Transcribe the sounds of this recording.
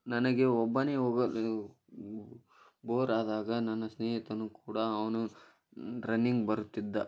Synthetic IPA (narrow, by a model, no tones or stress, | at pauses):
nɐnɐɡe̞ɔbːɐneːoːɡɐl | boːɾaːd̪aːɡɐnɐnːɐsnɛːɦit̪ɐnːukuːɽɐːʋɐnu | ɾɐnːiŋɡbɐɾut̪ːid̪ːɐ